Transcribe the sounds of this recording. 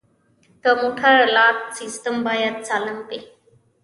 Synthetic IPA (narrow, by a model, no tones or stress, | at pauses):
t̪əmoʈʰaɾəlat̪̚sisʈ̪əmbʱajat̪̚t͡salənpe